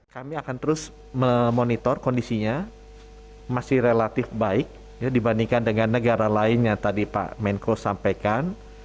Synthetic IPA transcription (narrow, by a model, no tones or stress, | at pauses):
kamiakant̪əɾʊs | məmonit̪ɔrkondisiɲa | masɪhrelat̪ɪfbaɪk̚ | jadibandiŋkandəŋanːəɡaɾalaɪnjat̪adipa̰ʔmɛŋkosampajkan